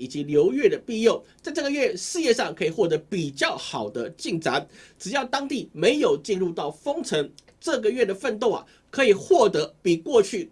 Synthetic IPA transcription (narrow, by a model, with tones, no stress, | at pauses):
i˨˩t͡ɕi˧˦˥ljo˧˥ʊɥɛ˥˩d̪ə˩pi˥˧jo˥˨ʊt͡sa˥˧ɪʈ͡ʂɤ˥˩ɡə˩ɥɛ˥˧ʂɻ̩˥˧jɛ˥˧ʂɑ˥˩ŋkʰɤ˧˥i˨˩xwɔ˥˩t̪ɤ˧˥pi˨˩t͡ɕjɑ˥˨ʊxɑ˨˩ʊd̪ə˦t͡ɕi˥˩ŋʈ͡ʂa˧˥nʈ͡ʂɻ̩˨˩jɑ˥˩ʊt̪ɑ˥ŋt̪i˥˩me˧˥ɪjo˨˩ʊt͡ɕi˥˧nɻu˥˧t̪ɑ˥˩ʊfɤ˥ŋʈ͡ʂʰə˧˦˥ŋ | ʈ͡ʂɤ˥˩ɡə˨˩ɥɛ˥˩d̪ə˩fə˥˧nt̪o˥˩ʊa̰˨ | kʰɤ˧˥i˨˩xwɔ˥˩t̪ɤ˧˥pi˨˩kwɔ˥˧t͡ɕʰy˥˩